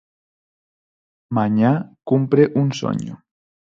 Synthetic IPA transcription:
maɲakumpɾeʔunso̰ɲṵ

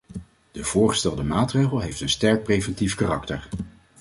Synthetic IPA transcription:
d̥əv̥ʊːɹχə̥stɛlˠdəmaːtrejχəlˠɦejftənstɛɹk̚prejvɛntifkarɑktəɹ

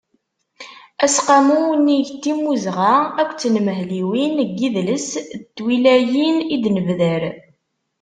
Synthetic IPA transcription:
æsqamunːiʝt̪ːimːuzʁaækʷːt͡sːnməɦliwinɡːiðləst̪ːwilæjinid̪nəvðəɾ

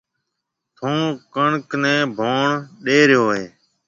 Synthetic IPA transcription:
t̪ʰõːkəɳknɛ̃ːbʱoːɳɗeːɾjoːɦeː

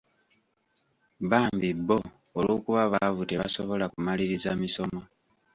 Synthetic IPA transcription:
βaːmbibːo̞ː | lo̞kuβaβavute̞βasoβo̞lakumaliɾizamiso̞mo

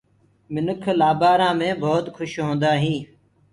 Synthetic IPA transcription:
mɪnəkʰlaːbaːɾãːmẽːbʱɔːt̪kʰʊʃɦõːnd̪aːɦĩː

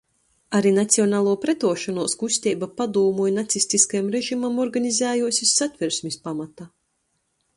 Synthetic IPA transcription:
aɾinat̪sʲiɔnaːlˠuɔpɾɛt̪uɔʃanuɔskusʲt̪ʲiːbapad̪uːmujnat̪sisʲt̪iskajamɾeʒimamɔɾɡanʲizʲæːjuɔsʲisːat̪ʲvʲiɾsʲmispamat̪a

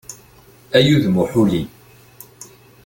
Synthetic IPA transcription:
æjuðmʊħuli

